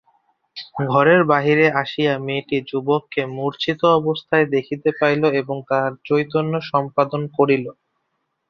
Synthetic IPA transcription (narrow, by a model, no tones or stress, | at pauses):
ɡʱɔɾeɾbaɦiɾeaʃijameʈid͡ʑubokːemuɾt͡ɕʰit̪oɔbost̪ʰaed̪ekʰit̪epajloeboŋt̪aɾt͡ɕojt̪onːoʃɔmpad̪onkoɾilo